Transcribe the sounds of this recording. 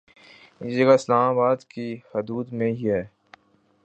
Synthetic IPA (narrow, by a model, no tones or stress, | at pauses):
ɪsd͡ʒɐɡaɪslaːmaːbaːd̪kihɐd̪uːd̪mẽɦiɦɛː